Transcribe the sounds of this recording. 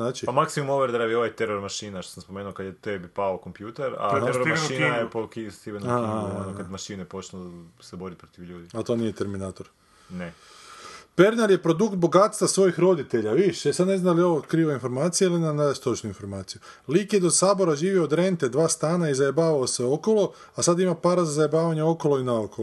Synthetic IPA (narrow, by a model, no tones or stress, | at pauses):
naːt͡ʃipamaksimumoʋeɾd̪ɾaʋioʋajt̪eɾoɾmaʃiːnaʃt̪osamspomeːnuokad̪jet̪ebipaokompjuːt̪eɾa̰teɾomaʃinajepokist̪iʋenuaiaonokad̪maʃiːnujepo̞t͡ʃnosebo̞ɾipɾot̪iʋʎuːd̪iat̪o̞nijet̪eɾminaːt̪o̞ɾ | ne | pe̞ɾnaɾje̞pɾo̞d̪ukt̪̚bo̞ɡat̪st̪ʋasʋo̞jixɾo̞d̪it̪e̞ʎaʋiʃesad̪ne̞znand̪alio̞ʋokɾiːʋoinfo̞ɾmaːt̪sijeilinanadst̪ot͡ʃnuinfo̞ɾmaːt̪siju | liːkjed̪osaːbo̞ɾaʒiːʋioːd̪ɾe̞nt̪e̞d̪ʋaːst̪aːnaizajebaːʋaoseo̞ko̞lˠo̞ | asad̪imapaːɾazazajebaːʋaɲeo̞ko̞loinaokol